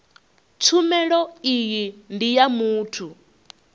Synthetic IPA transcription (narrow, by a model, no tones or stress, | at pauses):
t͡sʰumɛɺɔijindijamuːtʰu